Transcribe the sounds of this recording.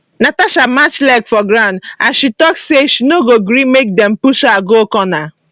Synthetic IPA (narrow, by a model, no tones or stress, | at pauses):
nataʃamat͡ʃlɛɡfɔɡɾãʊ̃ndaʃitɔkseʃinoɡoɡɾimek̚dɛm̩puʃaɡokɔna